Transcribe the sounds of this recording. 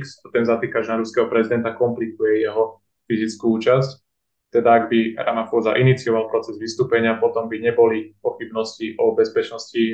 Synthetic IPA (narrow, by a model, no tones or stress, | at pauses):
ksat̪ɛnzat̪iːkaʒnaɾuskɛɦɔpɾɛzid̪ɛnt̪akɔmplikujɛjɛɦɔ | fizit͡skuuːt͡ʃasc | t̪ɛd̪aːɡbiɾa̰mafɔzaʔinit͡siɔʋalpɾɔt͡sɛzʋist̪uːpɛɲɪapɔt̪ɔmbiɲɛbɔlipɔxibnɔsciʔɔbɛspɛt͡ʃnɔsci